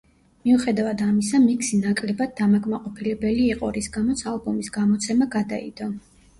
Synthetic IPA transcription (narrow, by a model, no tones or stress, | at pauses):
miuχɛd̪avad̪amisamikʰsinakʼlɛbad̪̚ːamaɡʼmaqʼɔpʰilɛbɛliːqʼɔɾisɡamɔt̪sʰalˠbɔmisɡamɔt̪sʰɛmaɡad̪a̰ḭd̪̥ɔ